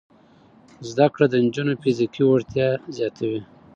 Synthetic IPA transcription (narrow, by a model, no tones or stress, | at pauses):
zd̪akɽad̪ənd͡ʒunofizikiwoɽt̪jɑzjɑt̪ʰawi